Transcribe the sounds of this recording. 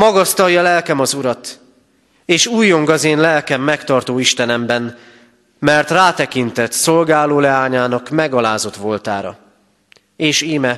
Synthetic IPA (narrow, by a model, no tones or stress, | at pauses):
mɒɡɒst̪ɒjːɒlɛlkɛmɒzuɾɒt̪ | eːʃuːjːo̞ŋɡɒzeːnlɛlkɛmːɛkt̪ɒrt̪oːiʃt̪ɛnɛmbɛn | mɛrt̪raːt̪ɛkint̪ɛt̪so̞lɡaːloːlɛaːɲaːnɒkmɛɡɒlaːzo̞t̪ʋo̞lt̪aːɾɒ̰ | eːʃiːmɛ